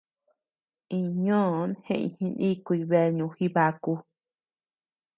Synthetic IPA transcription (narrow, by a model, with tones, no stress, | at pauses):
ĩ˧ɲõ˦˨˧nhḛ̃˦˧ʔḭ̃˧hĩ˧nĩ˦kʷi˧βe˧ɲũ˧xi˧βa˧ku˧